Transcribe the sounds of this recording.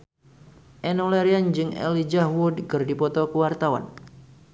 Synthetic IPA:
ʔɛnɔlɛɾiand͡ʒɨŋɛ̰lid͡ʒahwudkərdipɔt̪ɔkəwart̪awa̰n

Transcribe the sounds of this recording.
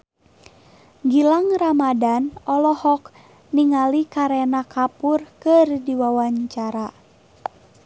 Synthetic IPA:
ɡilaŋramadanɔlɔhɔk | niŋalikaɾɛnakapurkɨrdiwawaɲt͡ʃaɾa

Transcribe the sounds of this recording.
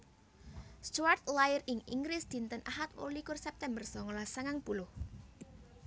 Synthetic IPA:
st͡ʃart̪̚lajɪrɪŋḭŋɡɾɪsd̪̥i̤nt̪ənʔaɦat̪wo̰likʊrsɛp̚t̪ɛmbərsɔŋɔlasaŋaŋb̥ulʊh

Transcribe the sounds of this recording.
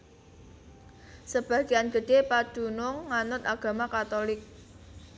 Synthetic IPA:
səb̥ä̤ɡ̥ianɡ̥ə̤ɖ̥epad̥ṳnʊŋːanʊt̪aɡ̥a̤makat̪ɔlɪk̚

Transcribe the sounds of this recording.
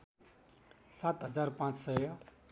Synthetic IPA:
sat̪ɦʌd͡zaɾpãt͡ssʌjʌ

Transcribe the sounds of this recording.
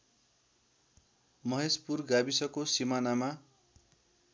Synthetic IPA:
mʌɦespurɡabisʌkosimanama

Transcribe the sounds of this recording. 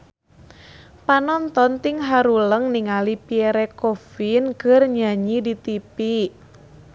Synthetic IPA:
panɔnt̪ɔnt̪ɪŋɦaɾuləŋniŋalipiɛɾekofinkərɲaɲidit̪ipi

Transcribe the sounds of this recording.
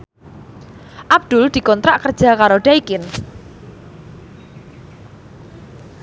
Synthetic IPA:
ʔab̚d̪̥ʊld̪̥i̤kɔnt̪ɾaʔkər̥ʒ̥a̤kaɾoɖ̥aikɪn

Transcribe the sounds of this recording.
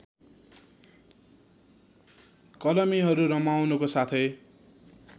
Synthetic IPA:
kʌlʌmiɦʌɾuɾʌmawnukosat̪ʰʌj

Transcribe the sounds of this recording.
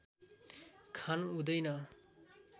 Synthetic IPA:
kʰanud̪ʌjna

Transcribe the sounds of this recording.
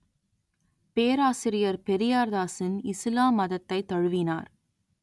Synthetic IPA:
peːɾaːsɪɾɪjɐɾpɛɾɪjaːɾðaːsɪnɪslaːmːɐðɐt̪ːɐɪt̪ːɐɻɯʋɪna̰ːɾ

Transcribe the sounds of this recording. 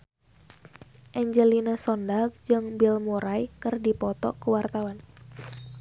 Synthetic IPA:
ʔɛɲd͡ʒəlinəsɔndaɡ̚d͡ʒɨŋbilmuɾajkɨrdipɔt̪ɔ̰kuwart̪awan

